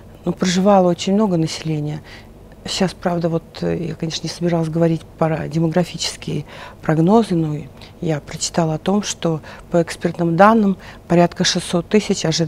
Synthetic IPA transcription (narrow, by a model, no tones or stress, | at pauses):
nupɾəʐɨvalˠəo̞t͡ɕɪnʲmno̞ɡənəsʲɪ̥lʲenʲɪjə | ɕaspɾavd̪əvo̞t̪ja̰kɐnʲe̞ʂnənʲɪsəbʲɪɾalˠs̬ʲɡəvɐɾʲitʲpədʲɪməɡɾɐfʲit͡ɕɪ̥skʲɪjəpɾɐɡno̞zɨnojapɾət͡ɕːɪ̥t̪alˠɐt̪o̞mʂt̪o̞pəɛkspʲert̪nɨmd̪anːɨmpɐɾʲat̪kəʂɨsːo̞t̪ːɨsʲɪt͡ɕɐʐɨ